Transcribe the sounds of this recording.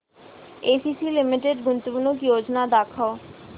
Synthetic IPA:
eːsiːsilɪmɪʈeɖɡʊnt̪upunokjoːd͡ʒnad̪aːkʰoː

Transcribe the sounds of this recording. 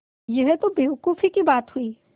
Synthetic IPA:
jeɦet̪obeʊkufʰikibaːt̪ɦuiː

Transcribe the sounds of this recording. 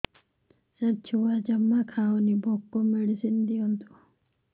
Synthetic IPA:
sət͡ʃʰuad͡ʒəmːakʰaːonibʱokːomiɽisind̪iont̪o

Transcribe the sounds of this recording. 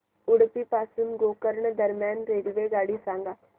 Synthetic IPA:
ʊɽpiːpaːsənɡoːkəɾɳd̪əɾmjaːnɾeːlʋeːɡaːɽiːsãːŋɡaː

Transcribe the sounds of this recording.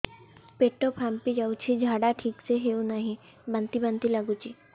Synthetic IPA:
peːʈːopʰampid͡ʒaut͡ʃʰid͡ʒʱaːɖaʈʰiːkseɦeunaɦĩ | bə̃nt̪ibə̃nt̪ilɐɡut͡ʃʰi

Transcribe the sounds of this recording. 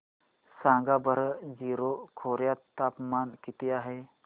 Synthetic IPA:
sãŋɡabʱəɾəd͡ziːɾokʰoɾjat̪ːapmankit̪iaɦe

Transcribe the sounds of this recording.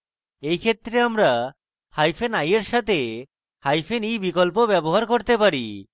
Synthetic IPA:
ejkʰet̪ːɾeamɾa | hajfenajeɾʃat̪ʰe | hajfenijbikolp̬obɛboɦaɾkoɾt̪epaɾḭ

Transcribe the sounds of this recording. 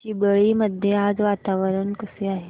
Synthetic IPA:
t͡ɕiːbəɭiːməd̪ʱjead͡zʋat̪aʋəɾəɳkəseaɦe

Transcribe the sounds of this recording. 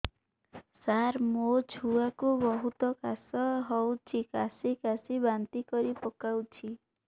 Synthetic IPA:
saɾmod͡ʒʱuakubɔɦut̪ɔkasɔɦɔwt͡ʃʰikasikasibant̪ikɔɾipɔkawt͡ʃʰi

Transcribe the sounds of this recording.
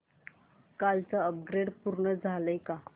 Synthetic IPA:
kalt͡səəp̚ɡɾeɽpuɾɳəd͡zʱaləjka

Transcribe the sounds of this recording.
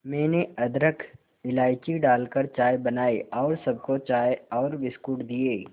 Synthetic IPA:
mɛ̃ːneɐd̪ɾəkʰ | ɪlaːɪkiɖaːlkəɾt͡ʃaːjbɐnaːeɔːɾsɐb̚kot͡ʃaːjɔːɾʋɪskuʈd̪ieː

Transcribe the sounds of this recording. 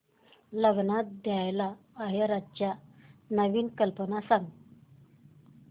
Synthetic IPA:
ləɡnat̪̚d̪jajlaː | ɦjaɾadt͡ɕjanəʋiːnkəlpənasaŋɡ

